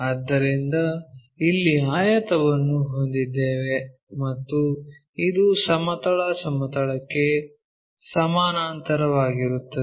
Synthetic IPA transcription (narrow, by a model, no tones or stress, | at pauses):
ɐd̪ːɐɾind̪ɐ | ilːiaːjɐt̪ɐʋɐnːuɦo̞nd̪id̪ːeːʋe̞ | mɐt̪ːu | id̪usɐmɐt̪ɐɭɐsɐmɐt̪ɐɭɐkːe̞ | sɐmaːnaːnt̪ɐɾɐʋaːɡiɾut̪ːɐ